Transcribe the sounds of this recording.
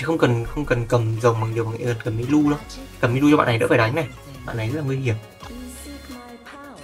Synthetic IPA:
xə˧wŋ͡mkə˨˩nxə˧wŋ͡mkə˨˩nkə˨˩mzə˨˩wŋ͡mma˨˩ŋzwma˨ŋa̰˧˥˦lə˨˩tkə˨˩mʔi˧˥lu˧ɗə˨˦kə˨˩mi˧˦lu˧t͡ɕɔ˧a̰ː˧˨n˨˩ɗə̰˧˥faː˧˩ɗa˨˦ŋ̟na˨˩j | ɓa̰˧˨nːa˨˩jzə˦tlaː˨˩ŋwŋhi˨˩əm̚

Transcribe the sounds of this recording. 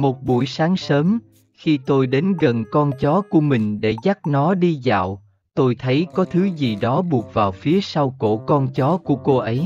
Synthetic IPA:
mo˨˩t̚ɓṵ˧˩əjsaː˨˦ŋsəː˨˦m | xi˧t̪o˧jɗe˨˦nɣə˨˩nkɔ˧nt͡ɕɔ˨˦ku˧˩əmï˨˩ŋ̟ɗḛ˧˩za˦˥t̚nɔ˨˦ɗi˧za̰ː˧˨w | t̪o˧jt̪ʰə˨˦jkɔ˨˦t̪ʰɨ˨˦zi˨˩ɗɔ˨˦ɓu˨˩ət̚vaː˨˩wfi˨˦əsa˧wko̰˧˩˨kɔ˧nt͡ɕɔ˨˦ku˧˩əko˧ʔə˨˦j

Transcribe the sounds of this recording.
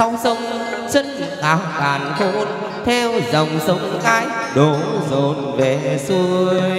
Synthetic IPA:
a˧wsə˧wŋ͡m | t͡ɕə˧nzɨ˨˩ʔaː˨˦wkaː˨˩nko˧˥n | t̪ʰɛ˧wzə˨˩wŋ͡msə˨˦wŋ͡mkaː˧˩j | ɗo˨˦zo˨˩n̚ve˨˩su˧əj

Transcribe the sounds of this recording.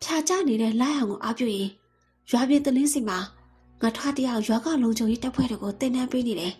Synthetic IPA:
pʰja˨t͡ɕa̰˦˨ne˨ɾɛ̰˦˨la̰˦˨jã˨ʊŋɡo˨ʔa˦pjo̰˦˨jɪ̃˨ | jwa˨bjɪ̃˨t̪əlɪ̃˦zẽ˦˨ma˨ | ŋə˨tʰwa˦˨tə˦ja˦ʊʔjwa˦ɡã˦˨lõ˨ʊɲd͡ʑʰõ˨ʊ̃je˦ta˦pʰwɛ̰˦˨ɾe˨ɡo˨t̪ɪ̰̃˦˨nã˦mpe˦ne˨ɾɛ˨

